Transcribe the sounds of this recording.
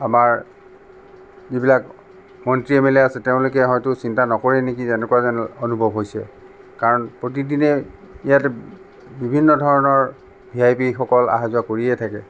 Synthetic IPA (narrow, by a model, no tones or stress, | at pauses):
amaɹ | zibilak | mɔntɹiɛmɛlɛasɛteʊ̃lʊkɛɦɔjtʊsintanɔkɔɹɛnekitɛnɛkuazɔnɔnubʱɔbʱɦojsɛ̰ | kaɹɔnpɹot̬idinɛ | ijatɛ | bibʱinːɔdʱɔɹɔnɔɹ | bʱiajpixɔkɔla̰ɦazʊwakoɹiɛtʰakɛ